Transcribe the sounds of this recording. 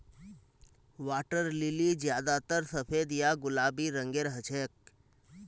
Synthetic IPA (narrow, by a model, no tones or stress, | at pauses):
ʋaːʈəɾlɪlid͡ʒjaːd̪at̪əɾsəpʰeːd̪jaɡʊlaːbiɾə̃ŋɡeːɾɦət͡ʃʰeːk̚